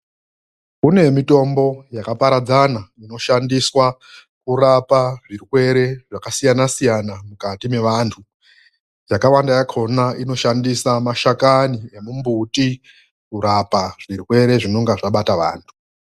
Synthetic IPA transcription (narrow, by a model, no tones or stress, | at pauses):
kune̞mito̞mbo̞jakapaɾad͡zanaino̞ʃandiswa | kuɾapaʐiɾikwe̞ɾe̞ʐakasijanasijanamukatime̞ʋantʰu | jakawandajakʰo̞nainoʃandisamaʃakaniemumbuti | kuɾapaʐ̥irikwe̞ɾe̞ʐino̞ŋɡaʐaɓataʋa̰ːntʰu